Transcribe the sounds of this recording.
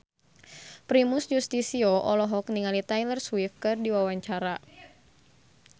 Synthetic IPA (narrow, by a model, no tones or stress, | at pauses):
pɾimusd͡ʒust̪isioʔɔlɔɦɔkniŋalit̪ajlərswifkɨrdiwawaɲt͡ʃaɾa